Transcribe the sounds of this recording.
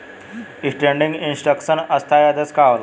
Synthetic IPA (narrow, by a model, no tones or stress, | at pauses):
isʈɾẽɳɖiŋɡinsʈɾəkʂənəst̪ʰajad̪ət͡skaʋl